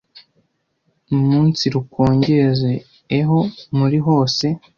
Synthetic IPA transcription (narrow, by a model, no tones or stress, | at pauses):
numuːnt͡siɾuko̞ːɲɟeze̞ː | ɦo̞muɾiɦo̞ːse̞